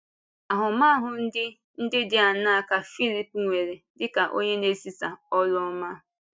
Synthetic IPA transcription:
a˨ɦʊ˨ma˦ɦʊ˨n̩˦dɪ˦ | n̩˦dɪ˦dɪ˦a˨na˦a˦˨ka˨fi˦li˦pŋʷe˨ɾe˨dɪ˦ka˨ʔo̰˦ɲe˦ne˦si˦sa˨ɔ˦lɔ˦ɔ˦ma˦

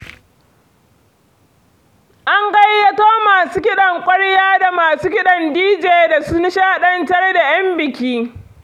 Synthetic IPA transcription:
ʔa˦ŋɡɐ˦jːɐ˦toː˦maː˨suː˦kʲɪ˦ɗɐ˨ŋkʷʼɐ˦ɽjaː˦da˨maː˨suː˦kʲɪ˦ɗɐ˨ndiː˦d͡ʒeː˨da˨su˦nɪ˦ʃaː˦ɗɐ˦ntɐ˦rda˨jɐ˦mbɪ˨kʲiː˦

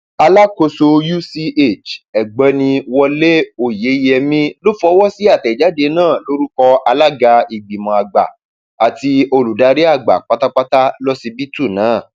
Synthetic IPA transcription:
a˧la˦ko˧so˧ju˦si˧ʔe˦˨t͡ʃɛ˨ɡ͡bɛ˨˧˦nĩ˧wɔ˧le˦o˧˨je˨˦jɛ˧mĩ˦lo˦fɔ˧˦wɔ˦si˦a˦˨tɛ˨d͡ʒa˨˦de˧˦nãː˦˨lo˦ɾu˦kɔ˧a˧la˦ɡa˧i˨ɡ͡bi˨mɔ̃˨a˨ɡ͡ba̰˨ | a˨ti˧o˧lu˨da˧ɾi˦a˦˨ɡ͡ba̰˨k͡pa˦ta˦k͡pa˦ta˦lɔ˦si˧bi˦tu˦˨nãː˨˦˨

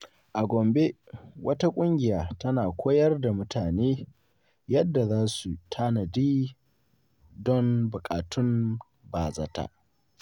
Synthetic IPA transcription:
ʔa˨ɡʷɔ˨mbe˦wʔɐ˦ta˦kʷʼʊ˦ŋɡʲɪ˨jaː˨tɐ˦naː˨kʷoː˦jɐ˦rda˨mʊ˦tʰaː˨neː˦ | jɐ˦dːa˨zaː˦su˨tʰaː˦nɐ˨diː˦ | dɔ˦nbʊ˨kʼaː˨tʰʊ˦m | baː˨zɐ̰˦ta̰˦

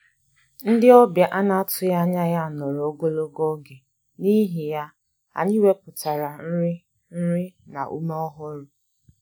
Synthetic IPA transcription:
n̩˦dɪ˦ɔ˦bja˨ʔa˦na˦tʰʊ˨ja˦ɲa˦ɣa˦˨nɔ˨ɾo˦ɡo˦lo˦ɡɔ˦ɡe˨ | ni˦ɦi˨ja˦ | a̰˨ɲɪ˦we˦pʊ˨ta˨ɾa˨n̩˦ɾɪ˦ | n̩˦ɾɪ˦na̰˨ʔṵ˦mɔ˦ɦɔ˦ɾʊ˨

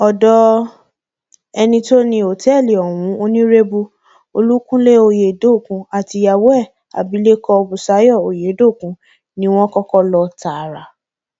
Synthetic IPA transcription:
ɔ˨dɔ˦ | ɛ˧nĩ˧to˦nĩ˧o˨tɛ˦˨li˨ɔ˨w̃ũ˨˦o˧nĩ˦ɾe˦bu˧ | o˧lu˦kũ˦le˦o˧je˨do˦˨kũ˧˦a˨ti˨˧ja˨wɛ˦˨ | a̰˨bi˨˦le˦kɔ˧bu˨sa˨˦jɔ˦˨o˨je˨˦do˦˨kũ˨˧˦ | nĩ˦w̃ɔ̃˦kɔ˦kɔ˦lɔ˧ta˨ɾa˨

